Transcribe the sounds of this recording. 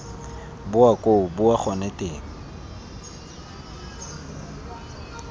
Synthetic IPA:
bʊakʼoʊbʊaχɔnɛtʼeːŋ̩

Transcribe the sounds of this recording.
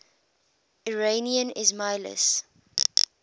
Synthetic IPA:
iɹeniə̃nɪzmaɪlə̰s

